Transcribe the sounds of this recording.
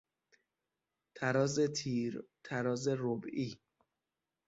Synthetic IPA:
t̪ʰæɾɒːzet̪ʰiːɾt̪ʰæɾɒːzeɾobiː

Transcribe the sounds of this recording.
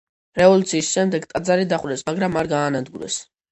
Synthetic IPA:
ɾɛvɔlut̪sʰiːsʃɛmd̪ɛɡt̪ʼad̪zaɾid̪aχwɾɛsmaɡɾamaɾɡaːnad̪ɡuɾɛ̰s

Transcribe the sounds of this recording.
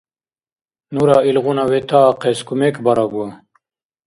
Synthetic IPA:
nuɾailʁunawet̪aqeskumekbaɾaɡua

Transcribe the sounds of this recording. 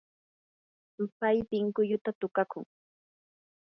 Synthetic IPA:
pajp̪ɪŋkʊʎʊt̪at̪ʊkakʊŋ

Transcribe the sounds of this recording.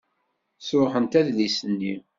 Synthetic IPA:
sʊħənt̪æðlisənːi

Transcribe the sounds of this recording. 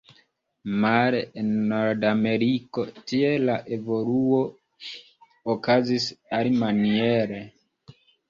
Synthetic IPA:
maɾeenːoɾdame̞ɾiko̞tie̞laʔe̞vo̞luo̞ | okazisalimanieɾe

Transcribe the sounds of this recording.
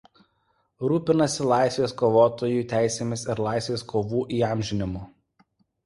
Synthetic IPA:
ɾuːpʲɪnɐsʲɪlˠɑˑɪsʲʋʲeːskoːʋoːt̪oːjuˑːt̪ʲæˑɪsʲeːmʲɪsɪɾlˠɑˑɪsʲʋʲeːskʰoːʋuːʔiːɑˑmʲʒʲɪnʲɪmoː

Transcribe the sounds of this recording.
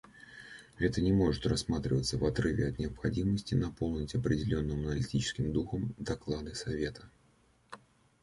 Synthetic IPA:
ɛt̪ənʲɪmo̞ʐɨt̪rɐsːmat̪ɾʲɪvət̪sːəvɐt̪ɾɨvʲɪɐt̪nʲɪəpxɐdʲiməsʲtʲɪnɐpo̞lˠnʲɪtʲɐpɾʲɪdʲɪlʲonːɨmənəlʲɪtʲit͡ɕɪ̥skʲɪmd̪uxəmd̪ɐklˠad̪ɨsɐvʲe̞t̪ʰə̥

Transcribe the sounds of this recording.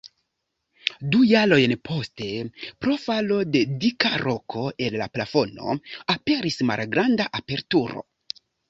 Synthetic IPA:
dujalo̞jnpʰo̞ste̞pɾo̞falo̞de̞dikaɾo̞kʰo̞ellaplafo̞no̞̰ape̞ɾisma̰lɡɾandaʔape̞ɾtuɾo̰

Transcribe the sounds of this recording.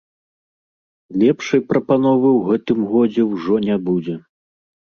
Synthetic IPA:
lʲɛpʂɐjpɾɐpanɔvɨwɣɛt̪ɨmɣɔd͡zʲɛwʐɔnʲabud͡zʲɛ

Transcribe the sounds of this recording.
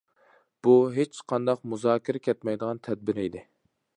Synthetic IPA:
b̥uɦet͡ʃqʰɑnd̪ɑqmuzɑːkʲɪɾɛkʲʰɛt̪mɛjd̪əʁɑnt̪ʰɛd̪̚bɪɾid̪ɪ

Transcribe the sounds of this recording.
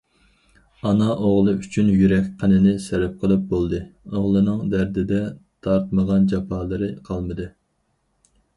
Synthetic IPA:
ɑnɑʔoʁlˠɨyt͡ʃʰynjyɾɛkʲqʰənɪnɪsɛɾɪp̚qʰəlˠɨp̚bolˠd̪ɨoʁlˠɨnɨŋd̪æɾd̪ɪd̪ɛt̪ʰɑɾt̪̚məʁɑnd͡ʒɑpʰɑːlˠɨɾɨqʰɑlˠmɨd̪ɨ

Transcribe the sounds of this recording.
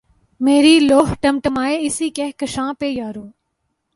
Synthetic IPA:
meːɾiːloːɦʈɐmʈəmaːeːɪsiːkeːɦkəʃãːpeːjaːɾoː

